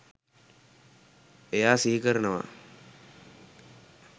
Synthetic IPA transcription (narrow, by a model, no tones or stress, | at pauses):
ejaːsiɦikəɾənəʋa̰